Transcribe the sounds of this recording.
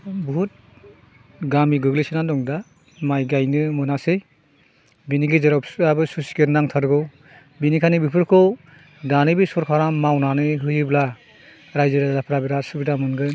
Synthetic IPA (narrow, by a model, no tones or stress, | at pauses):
buɦut̚ | ɡamiɡɯɡlisinadɔŋda | majɡajnɯmɯnasej | biniɡizɯɾɔp̚sɯabɯsusi̥keɾnaŋtʰaɾɡɯw | binikʰanibipʰɯɾkʰɔw | danɯbisɔɾkʰaɾamawnanɯɦɯjɯbla | ɾajzɯɾadapʰɾabiɾasɯbiɾamɯnɡɯ